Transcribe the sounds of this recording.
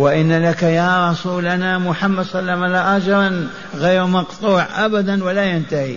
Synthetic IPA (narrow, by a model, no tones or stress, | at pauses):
wɪʔɪnːalakajaɾˤɑsuːlanamʊħamːad̪sˤɑlːamalaʔad͡ʒɑɾn | ɣejːɾmɑqt̪ˤuːʕʔabad̪anwalajant̪ahḭ